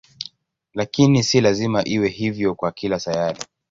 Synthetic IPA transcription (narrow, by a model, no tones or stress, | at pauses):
lakinisilazimaʔiwɛɦivjɔkwakilasajaɾi